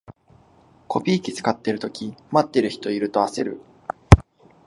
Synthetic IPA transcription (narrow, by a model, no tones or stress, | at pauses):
kʰo̞pʲiːkʲit͡sɨ̥kat̪ːeɾɯ̟t̪o̞kʲimat̪ːe̞ɾɯ̟çi̥t̪o̞iɾɯ̟t̪o̞ase̞ɾɯ̟̰